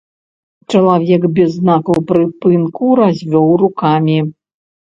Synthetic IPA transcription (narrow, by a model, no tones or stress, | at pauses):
t͡ʂɐlˠavʲɛkbʲɛzːnakɐwpɾɨpɨnkuɾazʲvʲɔwrukamʲi